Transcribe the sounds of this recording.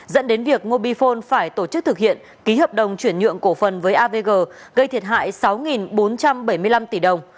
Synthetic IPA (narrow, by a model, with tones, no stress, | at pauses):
zə̰˧˥nɗe˨˦nvi˨˩ək̚mo˧ɓi˧fo˧nfaː˧˩jt̪o˧˩t͡ɕɨ˦˥k̚t̪ʰɨ˨˩k̚hḭ˧˨ən | ki˨˦həː˨˩p̚ɗə˨˩wŋ͡mt͡ɕwi˧˩ənɲɨ̰˧˨əŋko˧˩fə˨˩nvəː˨˦jʔaː˧ve˧ɣəː˧˩ɣə˧jt̪ʰi˨˩ət̚ɦha̰ː˧˨jsa˨˦wŋi˨˩nɓo˨˦nt͡ɕa˧mɓə˧˩jmɨ˧əjla˧mt̪i˧˩ɗə˨˩wŋ͡m